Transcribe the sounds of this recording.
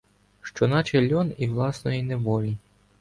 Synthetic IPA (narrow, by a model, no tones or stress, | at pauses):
ʃt͡ʃɔnɑt͡ʃelʲːɔniwlˠɑsnɔjineʋɔlʲi